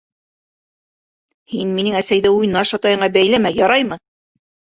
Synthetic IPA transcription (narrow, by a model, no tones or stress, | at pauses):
hinminɘŋæsæjðɘujnɑʃɑt̪ɑjɤ̆ɴɑbæjlæmæjɒɾɑjmɤ